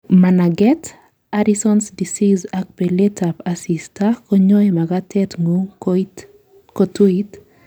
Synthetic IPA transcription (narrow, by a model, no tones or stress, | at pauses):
manaɡɛt | aɾisɔnsdisizak̚pɛletʰapasistakɔɲɔemaɡatɛtŋu | kɔtuit